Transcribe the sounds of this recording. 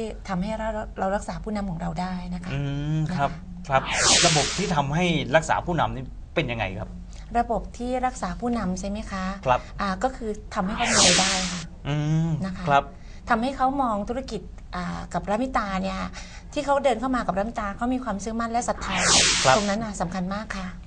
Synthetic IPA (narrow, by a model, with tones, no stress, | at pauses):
i˥˩t̪ʰa˧mɦa˥˩jɾa˧wɾa˧wɾa˦˥k̚saː˩˦pʰuː˥˩na˧mkʰɔː˩˦ŋɾa˧wdaː˥˩jna˦˥kʰa˦˥ɯː˧kʰɾa˦˥p̚kʰɾa˦˥p̚ɾa˧bo˨˩p̚t̪ʰiː˥˩t̪ʰa˧mɦa˥˩jɾa˦˥k̚sa̰ː˩˦pʰuː˥˩na̰˧mniː˦˥˩ | pe˧nja˧ŋːa̰˧jkʰa̰˦˥p̚ | ɾa˧bo˨˩p̚t̪ʰiː˥˩ɾa˦˥k̚saː˩˦pʰuː˥˩na˧mt͡ɕʰa˥˩jma˦˥jkʰa˦˥kʰa˦˥p̚ʔaː˨˩kɔː˥˩kʰɯː˧t̪ʰa˧mha˥˩jkʰa˦˥wmiː˧a˧jdaː˥˩jkʰa˥˩ | ʔɯː˧na˦˥kʰa˦kʰɾa˦˥p̚ | t̪ʰa˧mha˥˩jkʰa˦˥wmɔː˧ŋt̪ʰu˦˥ɾa˥ki˨˩t̪̚ | ʔaː˨˩ka˨˩p̚ɾa˦˥mi˦˥t̪aː˧ni˥˩ɐ | t̪ʰiː˥˩kʰa˦˥wdɤː˧nkʰa˥˩wmaː˧ka˨˩p̚ɾa˦˥mi˦˥t̪aː˧kʰa˦˥wmiː˧kʰwaː˧msɯː˦˥˩ma˥˩nlɛ˦˥sa˨˩t̪ʰːaː˦˥˦jkʰɾa˦˥o˧ŋna˦˥nʔa˨˩sa˩˦mkʰa˧nmaː˥˩kʰːa˥˩